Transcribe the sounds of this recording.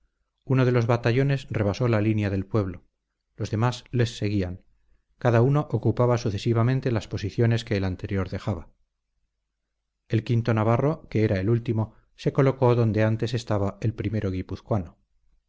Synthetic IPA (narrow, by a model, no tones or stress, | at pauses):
uno̞ð̞e̞lo̞zβat̪aʝo̞ne̞sre̞β̞aso̞lalinjaðe̞lpwe̞β̞lo̞ | lo̞zðe̞masle̞sːe̞ɣiaŋ | kaðauno̞ʔokupaβasuθe̞siβ̞amẽnt̪e̞laspo̞siθjo̞ne̞ske̞ːlant̪e̞ɾjo̞ɾðe̞xaβa | e̞lkint̪o̞naβaro̞ke̞eɾae̞lult̪imo̞ | se̞ko̞lo̞ko̞ðond̪e̞ant̪e̞se̞st̪aβae̞lpɾime̞ɾo̞ɣ̞ipuθkwano